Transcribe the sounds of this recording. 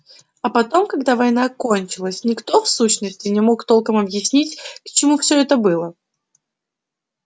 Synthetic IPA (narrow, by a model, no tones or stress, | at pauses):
ɐpɐt̪o̞mkɐɡd̪avɐjnako̞nʲt͡ɕɪlˠəsʲnʲɪkt̪o̞fsuɕnəsʲtʲɪnʲɪmo̞kt̪o̞lˠkəmɐbjɪsʲnʲitʲkt͡ɕɪmufsʲɵɛt̪əbɨlˠə